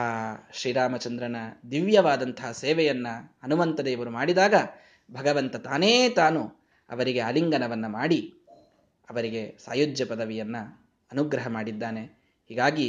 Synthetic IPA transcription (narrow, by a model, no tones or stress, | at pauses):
aːʃɾiːɾaːmɐt͡ʃɐnd̪ɾɐnɐd̪iʋjɐʋaːd̪ɐnt̪ɐɦɐseːʋɛjɐnːɐɐnumɐnt̪ɐd̪eiʋɐɾumaːɽid̪aːɡɐ | bʱɐɡɐʋɐnt̪ɐt̪aːneːt̪aːnu | ɐ̰ʋɐɾiɡe̞ɐliŋɡɐnɐʋɐnːɐmaːɽi | ɐʋɐɾiɡe̞sa̰ːjud͡ʒjɐpɐd̪ɐʋijɐnːu | ɐnuɡɾɐɦɐmaːɽid̪ːaːne̞ | hiːɡaːɡi